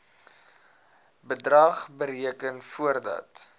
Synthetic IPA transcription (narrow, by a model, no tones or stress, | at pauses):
bədrɐχbəɾiəkənfuərdɐ̰t